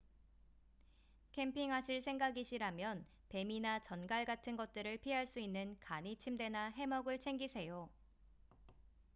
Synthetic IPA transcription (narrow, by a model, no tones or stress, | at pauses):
kʰe̞mpʰiŋɦaɕʰiɭsʰe̞ŋɡaɡiɕʰiɾamjʌn | pe̞minat͡ɕʌnɡaɭɡatʰɯnɡʌt̚t͈ɯɾɯɭpʰiɦaɭs͈uinːɯnkaɲit͡ɕʰimde̞naɦe̞mʌɡɯɭt͡ɕʰe̞ŋɡisʰe̞jo